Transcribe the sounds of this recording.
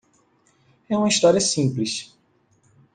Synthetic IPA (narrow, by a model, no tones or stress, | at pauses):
ɛũmɐist̪ɔɾiɐsĩpliʃ